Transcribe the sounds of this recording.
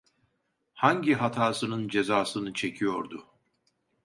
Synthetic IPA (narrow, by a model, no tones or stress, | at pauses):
haɲɟiɦat̪ʰaːsɯnɯnd͡ʒe̞zaːsɯnɯt͡ʃʰe̞cʰijo̞ɾd̪ʊ